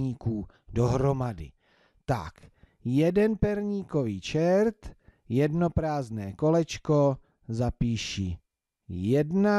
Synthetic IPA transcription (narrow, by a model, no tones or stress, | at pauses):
iːkuː | doɦɾo̞madɪ̰ | t̪a̰k | jɛdɛnpɛɾɲiːko̞viːt͡ʃɛɾt̪ | jɛdno̞pɾaːznɛːko̞lɛt͡ʃko̞ | zapiːʃi | jɛdna